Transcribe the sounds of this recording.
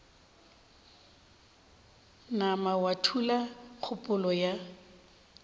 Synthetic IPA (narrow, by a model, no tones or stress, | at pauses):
namawatʰulak͡xʰʊpʼʊlɔja